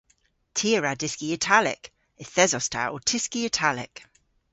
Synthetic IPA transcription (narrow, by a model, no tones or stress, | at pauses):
tʰiəɹadɪskiətʰalɪ̰k | ɛθɛzɔstʰa̰ʔɔ̰tʰɪskiətʰalɪ̰k